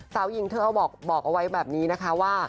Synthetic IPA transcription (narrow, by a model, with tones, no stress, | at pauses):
saː˩˦wji˨˩ŋt̪ʰɯː˥˩ʔa˧wbɔː˨˩k̚bɔː˨˩k̚ʔa˧wa˦˥jbɛː˨˩p̚niː˦˥na˦˥kʰa˦˥waː˥˩